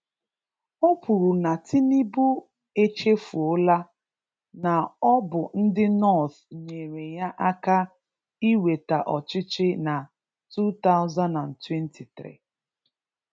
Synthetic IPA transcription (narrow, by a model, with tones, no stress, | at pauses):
o˦pu˨ɾu˨na˨tʰi˦ni˦bu˦ | e˦t͡ʃe˦fu˨o˦la˦ | na˨ɔ˦bʊ˨n̩˦dɪ˦nɔ˦˨θ | ɲe˨ɾe˨ja˦ʔa˦ka˦ | i˦we˨ta˨ʔɔ˨t͡ʃɪ˦t͡ʃɪ˦na˨ | tu˦t̪a˦ʊ˦za˦nda˨n̩˨twe˦nti˨t̪ɾḭ˦˨